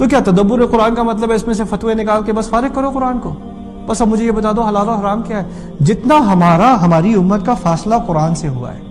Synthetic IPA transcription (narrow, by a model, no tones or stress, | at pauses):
t̪ok̬jaːt̪ɐd̪ɐbːʊɾeqʊɾaːnkamɐt̪̬ləbɦɛɪsmẽs̬efɐt̪ʋenɪkaːlkebɐsfaːɾɪkɐɾoqʊɾaːnko | bɐsɐbmʊd͡ʒʱejebɐt̪aːd̪oɦɐlaːloɦɐɾaːmkjaːɦɛ | d͡ʒɪt̪naɦɐmaːɾaɦɐmaːɾiʊmːət̪̚kafaːslaqʊɾaːnseɦua̰ɦɛ̰ː